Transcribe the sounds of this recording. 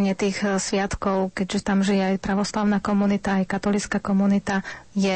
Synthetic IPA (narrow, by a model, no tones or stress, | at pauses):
ɲɪɛt̪iːxsʋɪat̪kɔʊkɛɟʒɛt̪amʒijɛajpɾaʋɔslaʊnakɔmunit̪aːjkat̪ɔlit͡skakɔmunit̪ajɛ